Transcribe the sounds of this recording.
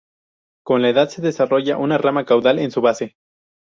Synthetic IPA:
ko̞nlae̞ðaðse̞ðe̞saro̞ʝaʔunaramakawðale̞nsuβase̞

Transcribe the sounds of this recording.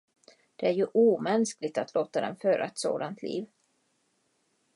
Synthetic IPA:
d̪̥ɛæɾjɵʔuːmɛnsklɪɡ̚t̪at̪loːt̪ad̪ɛ̰nføːɾʔa̰ɛt̪so̰ːd̪ant̪ʰlḭːv

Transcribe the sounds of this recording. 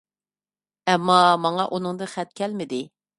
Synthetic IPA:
ɛmːɑmɑŋɑʔunɨŋd̪ɨχɛt̪̚kʲʰɛlmɪd̪ɪ

